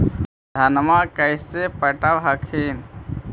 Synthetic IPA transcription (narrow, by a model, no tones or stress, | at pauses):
d̪ʱənmakəɪsepəʈabɦəkʰin